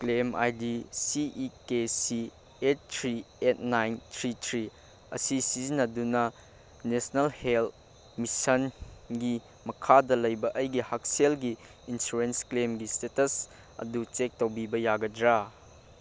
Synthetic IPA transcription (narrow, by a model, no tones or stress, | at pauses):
klema̰jdisiʔikesi | et̚tʰɾiet̚najntʰɾitʰɾi | ɐ̰sisiznɐdunɐ | nesnɐlhelt | misɐnɡi | mɐkʰadɐlɐjbɐʔɐjɡihak̚selɡiː | nsuɾensklemɡistetɐs | ɐ̰dut͡ʃek̚tɐwbibɐjaɡɐdɾa